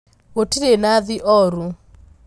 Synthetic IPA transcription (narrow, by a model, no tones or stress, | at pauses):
ɣotiɾenaðiʔɔɾu